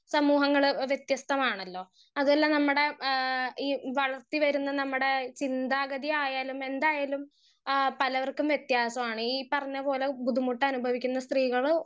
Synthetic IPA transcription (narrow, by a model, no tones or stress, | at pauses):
sɐmuːɦɐŋːɐɭʋjet̪jɐst̪ɐmaːɳɐlːo̞ː | ɐðuɐlːɐnɐmːuɽe̞ | iːʋɐɭɐrt̪ːiʋɐɾunːɐnɐmːuɽe̞t͡ɕind̪aːɡɐd̪iaːjaːlume̞nd̪aːjaːlum | pɐlɐʋɐrkːumʋjet̪jaːsɐmaːɳɨiːpɐrɐɲːɐpo̞ːle̞bud̪ʱumuʈːɨɐnubʱɐʋikʲːunːɐst̪riːɣɐɭ